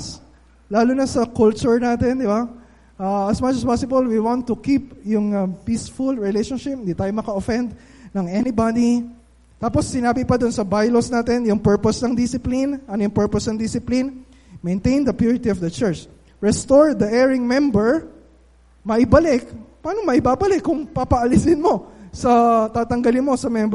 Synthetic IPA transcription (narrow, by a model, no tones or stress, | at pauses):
s | laːlʊnɐsɐkult͡ʃʊɹnaːt̪ɛnd̪ɪba | ʔaɐsmɐt͡ʃɐspasɪbɐlwiwɔ̃nt̪ːʊkip̚jʊŋɐpisfʊlɹɪlejʃɔnʃɪp̚nd̪it̪aːjomɐkɐofɛ̃nd̪̚ | nɐŋɛnɪbad̪i | t̪aːposːɪnaːbɪpɐd̪ʊnsɐbajlosnaːt̪ɛnjʊŋpɛɹposnɐŋd̪ɪsɪplinɐnojʊŋpɛɹposnɐŋd̪ɪsɪplin | mɛ̃jnt̪ẽjnd̪ɐpjuɹɪt̪iɔvd̪ɐt͡ʃɛɹt͡ʃ | ɹɛst̪oɹd̪ɐʔɛɹɪŋmɛmbɛɹ | mɐʔɪbɐlɪkpaːnomɐɪbaːbɐlɪkːʊŋpɐpɐɐlɪsɪnmo̞sɐt̪aːt̪ɐŋɡɐlɪnmo̞sɐmɛmb